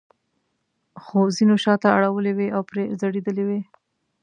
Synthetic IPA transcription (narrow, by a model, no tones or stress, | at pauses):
xozinoʃɑt̪aaɽawəleweʔawpɾezaɽed̪əlewe